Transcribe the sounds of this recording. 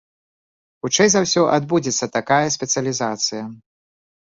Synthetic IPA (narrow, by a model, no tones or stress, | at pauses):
xut͡ʂɛjzawsʲɔʔad̪bud͡zʲɛt̪sːɐt̪akajɐsʲpʲɛt̪sɨɐlʲizat̪sɨjɐ